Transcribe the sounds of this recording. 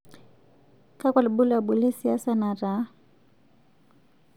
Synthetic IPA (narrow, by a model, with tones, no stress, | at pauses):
ka˦kwa˨lɓu˦la˨ɓu˨lɛ˦si˨a˦sana˨ɾa˦